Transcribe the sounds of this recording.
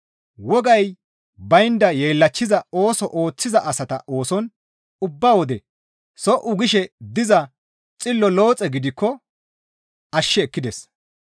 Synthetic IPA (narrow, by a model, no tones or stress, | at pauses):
wɔɡɐj | bɐjnd̪ɐjeːlːɐt͡ʃːɪzɐo̞ːsɔʔo̞ːt͡sːɪzɐʔɐsɐt̪ɐʔo̞ːsɔn | ʊbːawɔd̪ɛ | sɔʔʊɡɪʃɛd̪ɪzɐ | t͡sʼɪlːɔlo̞ːt͡sʼɛɡɪd̪ɪkːɔ | ɐʃːɛːkːɪd̪ɛs